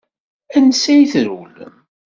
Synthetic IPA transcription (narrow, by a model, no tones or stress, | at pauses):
ænsæjθɾul